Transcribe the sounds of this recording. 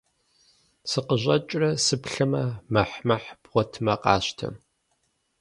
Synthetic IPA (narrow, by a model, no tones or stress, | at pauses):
sɨqəʑɐt͡ʃʼrɐsɨpɬɐmɐmɐħmɐħb̥ʁʷɔtʰɨmɐqɑ̰ːɕtʰɐ̰m